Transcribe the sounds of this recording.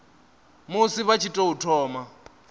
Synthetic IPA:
musiβat͡ʃʰitʼɔutʰɔːma

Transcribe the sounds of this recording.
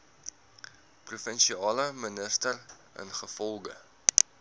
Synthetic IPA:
prufənʃiɑːləmənəstər | ə̰nχəfɔlˠɡə

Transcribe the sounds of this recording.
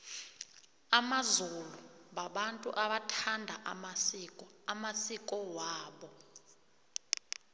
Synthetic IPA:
amazuluɓaɓantʼṵʔaɓatʰandʱaʔa̰masikʼɔamasikʼɔwaːɓɔ

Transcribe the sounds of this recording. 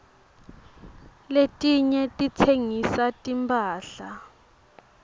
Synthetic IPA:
letʼiɲɛtʼit͡sʰeŋisatʼimpʰʼaːɬa

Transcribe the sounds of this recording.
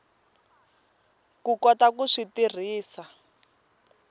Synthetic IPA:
kukɔtakuʂitir̤iːsa

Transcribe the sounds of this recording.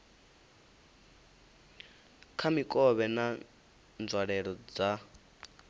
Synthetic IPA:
kʰamikʼɔβɛna | nd͡zʱwaɺɛɺɔd͡za

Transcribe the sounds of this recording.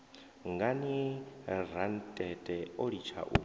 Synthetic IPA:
ŋɡani | ɾantʼɛtʼɛɔɺit͡ʃʰa̰ʔu

